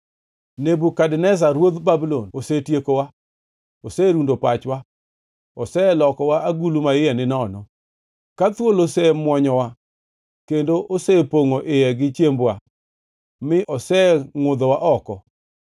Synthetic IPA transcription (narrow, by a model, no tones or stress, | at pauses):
nebukadnɛs̬aɾwod̪babilonosetjekowa | osɛɾundopat͡ʃwa | ɔsɛlɔkɔwaʔaɡulumaɪjɛnɪnɔnɔ | kat̪wolosɛmwɔɲɔwa | kendoʔosɛpoŋoʔɪjɛɡɪt͡ʃjembwa | mɪʔɔsɛŋʊd̪ɔwaʔɔkɔ